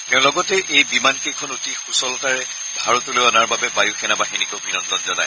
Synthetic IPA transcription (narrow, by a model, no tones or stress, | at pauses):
tɛʊ̃lɔɡɔtɛʔejbimankejkʰɔnotixusɔlɔtaɹɛ | bʱaɹɔtolojɔnaɹbabɛbajuxʰɛnabaɦinikoʊbʱinɔndɔnzɔna̰j